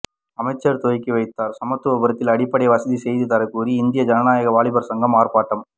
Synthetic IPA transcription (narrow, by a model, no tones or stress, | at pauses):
ɐmɐɪt͡ʃːɐɾt̪oːjkːɯʋɐɪt̪ːaːɾsɐmɐt̪ːɯʋɐbɐɾɐt̪ːɪlɐɽɪpːɐɽɐjɐʋɐsɐðisɛjðɯt̪ɐɾɐɪkːuːɾiɪnd̪ɪjɐd͡ʒɐnɐnaːjɐɣɐʋaːɭɪbɐɾsɐŋɡɐmaːɾpaːʈːɐm